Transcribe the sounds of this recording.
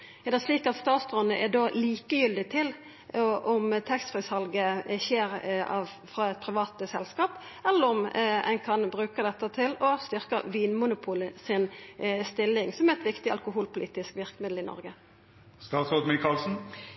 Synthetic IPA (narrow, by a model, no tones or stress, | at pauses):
jɑd̪ɛæʂliːkɑt̪st̪ɑːt̪sd̪ɾʉnːəʔɛd̪oːliːkəjʏld̪ɪt̪ʰɪl | ʔɔmt̪ʰɛkst̪fʁɪshɑlɡəçeːɾɑʋ | fɾɑɛt̪̚pʰɾɪʋɑːt̪əsɛlskɑːp | ɛlːəɾɔmɛ̰nkʰɑnbʁʉːkəd̪ɛt̪ːət̪ʰɪlɔst̪ʏʁkə̰ʋiːnmʊnʊpʰuːləsɪnst̪ɪlːɪŋsɔmɛʁɛt̪ʋɪkt̪ɪɑ̰lkʊɦuːlpʊliːt̪ɪskʋɪʁkəmɪd̪l̩ɪnɔ̰ʁɡə | st̪ɑːt̪soːd̪mɪkʰɑːlsn̩